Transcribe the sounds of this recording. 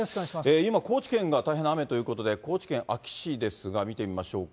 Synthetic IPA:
koaseːimako̞ːt͡ɕi̥kẽ̞ŋɡat̪aiɦename̞t̪o̞jɯ̟ːko̞t̪o̞d̪e̞ko̞ːt͡ɕi̥kẽ̞ɰ̃ʔakʲi̥ɕid̪e̞sɨɡamʲit̪e̞mʲimaɕo̞ːk

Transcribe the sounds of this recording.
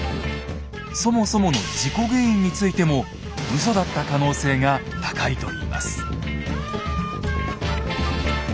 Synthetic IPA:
so̞mo̞so̞mo̞no̞d͡ʑiko̞ɡeĩɲ̟ːit͡sɨit̪e̞mo̞ | ɯ̟s̬o̞d̪at̪ːakano̞ːse̞ːŋa | t̪ḁkait̪o̞iːma̰sɨ̥

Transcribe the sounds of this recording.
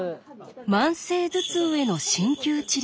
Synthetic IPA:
mãɰ̃se̞ːd͡zɨt͡sɨːe̞no̞ɕĩŋkʲɨːt͡ɕiɾʲ

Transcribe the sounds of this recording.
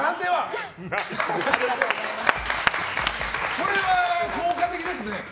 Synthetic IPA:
nãnd̪eβa | aɾʲiɡat̪oːɡozaimasɨ | ko̞ɾe̞βakoːkat̪e̞kʲid̪esɨne̞

